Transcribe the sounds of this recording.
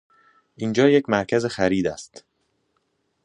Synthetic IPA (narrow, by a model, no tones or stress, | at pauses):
ʔiːnd͡ʒɒːjecʰmæɾcʰæze̞xæɾiːd̪æst̪